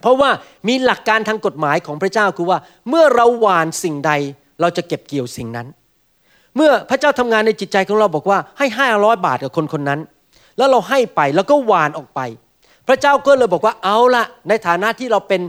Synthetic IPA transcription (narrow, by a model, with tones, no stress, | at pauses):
pʰɾɔ˦˥waː˥˩ | miː˧la˨˩kːaː˧nt̪ʰaː˧ŋko˨˩t̪̚maː˩˦jkʰɔː˩˦ŋpʰɾa˥t͡ɕaː˥˩wkʰɯː˧waː˥˩ | mɯ˥˩ɐɾa˧wːaː˨˧˩nsi˨˩ŋda˧j | ɾa˧wt͡ɕa˨˩ke˨˩p̚ki˨˩əwsi˨˩ŋna˦˥n | mɯ˥˩ɐpʰɾa˦˥t͡ɕaː˥˩wt̪ʰa˧mŋaː˧nːa˧jt͡ɕi˨˩t̪̚t͡ɕa˧jkʰɔː˩˦ŋɾa˧wbɔː˨˩k̚waː˥˩ha˥˩jɦaː˥˩ɾɔː˦˥jba̰ː˨˩t̪̚ka˨˩kʰo˧nkʰo˧nːa˦˥n | lɛː˦˥wɾa˧wɦa˥˩jpa˧jlɛː˦˥wkɔː˥˩waː˨˩nʔɔː˨˩k̚pa˧j | pʰɾa˦˥t͡ɕaː˥˩wkɔː˥˩lɤː˧jbɔː˨˩kwaː˥˩ʔa˧˩wla˧˦˩ʔna˧jt̪ʰaː˨˩˦na˦˥ʔt̪ʰiː˥˩ɾa˧wpe˧n